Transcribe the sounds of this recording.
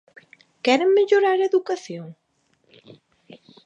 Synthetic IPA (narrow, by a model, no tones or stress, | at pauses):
kɛɾeŋmeʎoɾaɾeðukaθjoŋ